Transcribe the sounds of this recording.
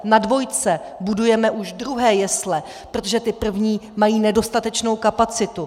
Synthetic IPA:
nadvo̞jt͡sɛ | budujɛmɛʔuʃdɾuɦɛːjɛslɛ | pɾo̞t̪o̞ʒɛt̪ɪpr̩vɲiːmajiːnɛdo̞st̪at̪ɛt͡ʃno̞wkapat͡sɪt̪u

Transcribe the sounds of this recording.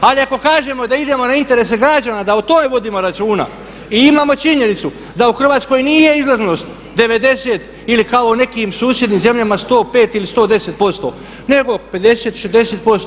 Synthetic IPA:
aliako̞kaːʒe̞mo̞d̪aid̪e̞mo̞naint̪e̞ɾes̬e̞ɡɾad͡ʒanad̪aut̪o̞me̞ʋo̞d̪iːmo̞ɾat͡ʃuːna̰ | iimaːmo̞t͡ʃiɲe̞nit̪su | d̪auxr̩ʋaːt̪sko̞jniːje̞izlˠazno̞ːst̪ | d̪e̞ʋe̞d̪e̞seːt̪ | ilikaone̞kimsuːsje̞d̪niːmze̞mʎamast̪o̞ːpe̞ːt̪ilist̪o̞ːd̪e̞se̞t̪̚po̞st̪o̞̰ | ne̞ɡoped̪e̞seːt̪ʃezd̪eset̪̚po̞st̪

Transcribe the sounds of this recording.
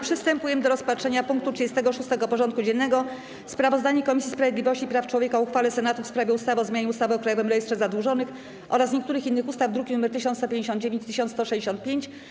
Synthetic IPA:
pʂɨst̪ɛmpujɛmd̪ɔɾɔspatʂɛɲapuŋk̚t̪utʂɘd͡ʑɛst̪ɛɡɔʂust̪ɛɡɔpɔʐɔnt̪kud͡ʑɛnːɛɡɔ | spɾavɔzd̪aɲɛkɔmʲisʲjispɾavʲed̪lʲivɔɕt͡ɕipɾaft͡ʂwɔvʲjekauxfalɛsɛnat̪ufspɾavʲjɛust̪avɔzmʲjaɲɛust̪avɘɔkɾajɔvɛmɾɛjɛst̪ʂɛzad̪wuʐɔnɘx | ʔɔ̰ɾasɲek̚t̪uɾɘxinːɘxust̪avd̪ɾukʲinumɛɾt̪ɘɕ̬ɔ̃nt̪st̪ɔpʲẽɲd͡ʑeɕ̬ɔnd̪̚d͡ʑevʲeɲt͡ɕt̪ɘɕɔnt̪st̪ɔʂɛd͡ʑeɕɔ̃nt̪̚pʲjeɲt͡ɕ

